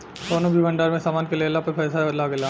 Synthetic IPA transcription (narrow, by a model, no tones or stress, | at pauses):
d̪oːnõbʱibʱɐ̃ɳɖaːɾmẽsaːmaːnkeleːlapeɾpʰɛːsabɐd̪laɡelaː